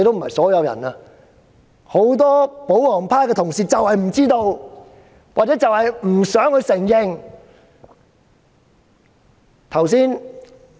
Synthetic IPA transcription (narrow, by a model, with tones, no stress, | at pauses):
t̪o˥m̩˨˩hɐ̰˨jsɔː˨˥jɐ˧wjɐ̰˨˩naː˧ | ho˨˥wt̪̬ɔː˥po˨˥whɔː˨˩ŋpʰaː˥kɛː˧t̪ʰʊ˨˩ŋsiː˨t͡sɐ˨whɐ˨jm̩˨˩t͡siː˥t̪o˧w | waː˨t͡sɛː˨˥t͡sɐ˨whɐ˨jm̩˨˩sœː˨˥ŋhɵ˧ɥsɪ˨˩ŋjɪ˨˧ŋ | t̪ʰɐ˨˩wsiː˥n